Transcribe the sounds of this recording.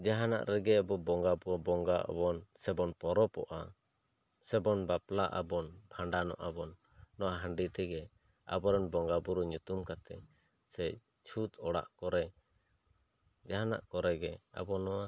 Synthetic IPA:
d͡ʒaɦana̰ʔɾɛɡɛabɔbɔŋɡabuɔbɔŋɡaʔa̰bɔnsɛbɔnpɔɾɔpɔ̰ʔa̰ | sɛbɔnbaplaʔa̰bɔnbʱaɳɖanɔ̰ʔabɔnː | ɔwaɦəɳɖit̪ɛɡɛ | a̰bɔɾɔnbɔŋɡabuɾɔɲut̪umkat̪ɛ̰ | sɛ | t͡ʃʰut̪ɔɽa̰ʔkɔɾɛ | d͡ʒaɦana̰ʔkɔɾɛɡɛa̰bɔnɔwa

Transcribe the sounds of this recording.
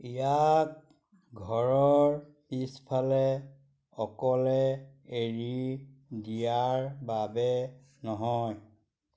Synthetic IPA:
ijak̚ | ɡʱɔɹɔɹ | pispʰalɛ | ɔkɔlɛeɹidijaɹbabɛ | nɔɦɔj

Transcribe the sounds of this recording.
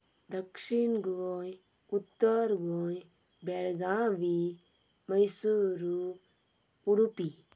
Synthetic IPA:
d̪ɐkʂinɡojut̪ːəɾɡojbeɭɡãʋi | mɐjsuɾu | puɽupi

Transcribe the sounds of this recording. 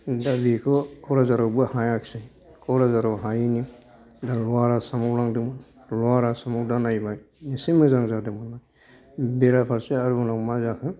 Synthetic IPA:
dabikʰɔkʰɔwɾazaɾɔwbɯhajakʰsej | kʰɔɾazaɾɔwɦajni | dalɔaɾasamɔwɾaŋdɯm | lɔaɾasamɔwdanajbaj | isimɯzaŋzadɯmɯnaj | beɾapʰaɾseaɾunawmazakʰɯ

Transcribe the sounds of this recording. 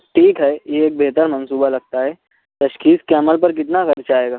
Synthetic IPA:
ʈʰiːkɦɛjeːk̚beɦt̪əɾmɐ̃nsuːbalɐɡ̚t̪aɦɛː | t̪ɐʃkiːskeɐməlpɐɾk̬ɪt̪naxɐɾt͡ʃaːeːɡaː

